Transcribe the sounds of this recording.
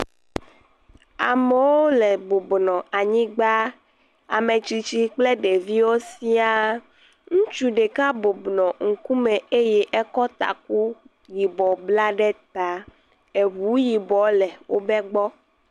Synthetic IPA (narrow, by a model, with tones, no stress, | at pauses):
a˨mɛ˨wo˦lɛ˨bo˨bnɔ̃˨a˨ɲĩ˦ɡ͡ba˦ | a̰˨me˨t͡ɕi˨t͡ɕi˦k͡ple˦ɖe˨vi˦wo˦si˦a˦ | ŋũ˦t͡ʃu˦ɖe˨ka˦bo˨bnɔ̃˨ŋ̩˨ku˦mɛ̃˨e˦jɛ˦ʔɛ˦kɔ˦t̪a̰˨k̚u˦ | ji˨bɔ˨bla˦ɖɛ˦t̪a˦ | e˨βu˨˦ji˨bɔ˨˦lɛ˨wo̰˦bɛ˦ɡ͡bɔ˦